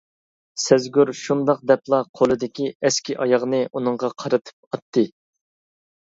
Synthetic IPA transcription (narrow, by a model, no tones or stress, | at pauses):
sɛzɡʲyɾʃund̪ɑq̚d̪ɛplˠɑqʰolˠɨd̪ɪkʲiɛskʲiʔɑjɑʁnɨʔunɨɴʁɑqʰɑɾɨt̪ʰɨ̥p̚ɑt̪ʰːɨ